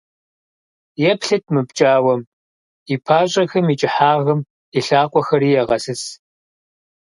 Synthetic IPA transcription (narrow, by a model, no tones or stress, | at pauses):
jɛpɬɨt̚ʰmɨbt͡ʃʼaːwɐm | ipʰaːɕʼɐxɐmit͡ʃʼɪħaːʁɐm | iɬaːqʷʼɔxɐɾiːjɛʁɐsɨs